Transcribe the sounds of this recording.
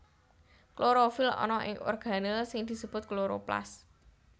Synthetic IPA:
kloɾofɪlɔ̰nɔʔɪ̰ŋo̰rɡ̥a̤nəlsɪŋd̪̥i̤səb̥ʊt̪̚kloɾopla̰s

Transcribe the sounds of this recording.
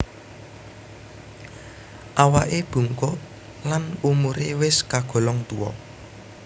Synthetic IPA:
ʔawaʔeb̥ṳŋkʊʔ | lanumuɾewɪskaɡ̥ɔ̤lɔŋt̪uwɔ̰

